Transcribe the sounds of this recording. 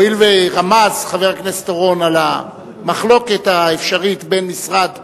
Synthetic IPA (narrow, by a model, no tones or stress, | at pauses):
ilveʁamazχaveʁaknest̪oʁo̞nala | maχlo̞ke̞t̪aefʃaʁit̪be̞nmisʁad̪